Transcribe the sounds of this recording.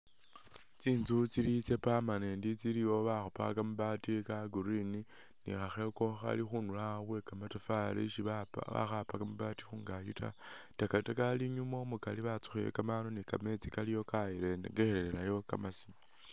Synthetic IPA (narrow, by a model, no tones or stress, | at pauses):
t͡siːnzut͡silit͡sepamaneːndit͡siliwo̞βaxopa̰kamuβatikaɡuɾini | nḭxaxe̞ko̞xa̰lixunulaβwe̞kamatafalḭʃiβaa̰xapakamuβaːti̥xuːŋɡajuta̰takatakaliɲumo̞mukaliβat͡su̥xiḛkamanonikame̞t͡sikalijo̞kajileneɡexeɾeɾelajo̞kamasi̥m